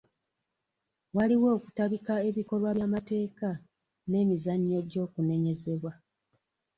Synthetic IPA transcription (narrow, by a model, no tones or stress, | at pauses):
waliwo̞ːku̥taβikae̞βiko̞lwaβjamate̞ːka | ne̞ːmizaɲːo̞ɟo̞ːkune̞ɲe̞ze̞βwa